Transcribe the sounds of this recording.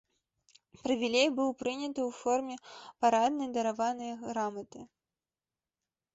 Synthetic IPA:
pɾɐvʲilʲejbɨwpɾɨnʲɐt̪ɨwfɔrmʲɛpaɾad̪nɐjd̪ɐɾavanɨjɐɣɾamɐt̪ɨ

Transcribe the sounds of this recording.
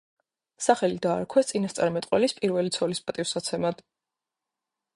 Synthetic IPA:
saχɛlid̪aːɾkʰwɛt̪sʼinast̪sʼa̰ɾimɛt̪ʼqʼwɛlispʼiɾvɛlit̪sʰɔlispʼat̪ʼifsat̪sʰɛmad̪̥

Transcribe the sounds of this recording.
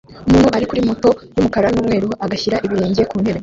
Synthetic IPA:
umuːn̥huʔaɾikuɾimuto̞jumukaɾanuːmŋe̞ːɾuaɡaçiɾaʔiβiɾeːɲɟije̞kuːnhe̞βe̞

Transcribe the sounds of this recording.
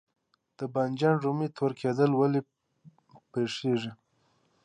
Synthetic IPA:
d̪̥əband͡ʒɑnʐumit̪ʰoɾkʰed̪əlwali | peʂeʐi

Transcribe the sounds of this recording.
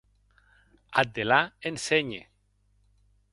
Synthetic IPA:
at̪̚d̪elaenseɲḛ

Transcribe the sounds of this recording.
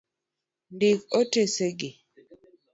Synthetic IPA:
ndɪkoteseɡɪ

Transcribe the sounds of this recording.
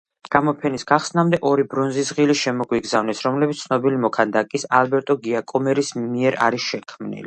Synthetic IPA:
ɡ̥amɔpʰɛnisɡ̥aχsnamd̪ɛʔɔɾibɾɔnzisʁiliʃɛmɔɡwiɡzavnɛsɾɔmlɛbit̪sʰnɔbilimɔkʰand̪akʼisalbɛɾt̪ʼɔɡiakʼɔmɛɾismiɛɾa̰ɾisʃɛkʰmnḭli

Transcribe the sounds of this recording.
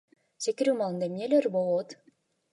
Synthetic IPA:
sekʲiɾymɑlˠɯnd̪amnʲelʲeɾbolˠot̪

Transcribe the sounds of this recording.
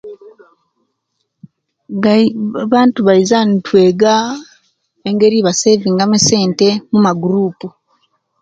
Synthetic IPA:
βaːntuβaizantweːɡa | eŋɡeɾiβaseviːŋɡameseːntemumaɡuɾuːpu

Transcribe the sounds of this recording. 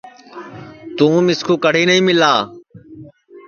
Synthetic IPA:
t̪ũːmɪskʰuːkəɽ̤iːnəĩːmɪlaː

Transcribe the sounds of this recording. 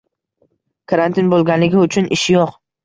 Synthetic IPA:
kʰaɾant̪ʰɪnbolˠɡʲanlɪɡʲɪʊt͡ʃʰʊnʔɪʃjoq

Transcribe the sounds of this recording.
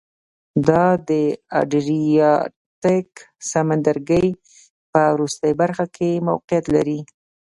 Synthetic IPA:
d̪ɑd̪əa̰ɖɾijɑ | tɪk | samand̪aɾɡəj | pəwɾust̪əjbaɾxakʰema̰wqɪjat̪laɾi

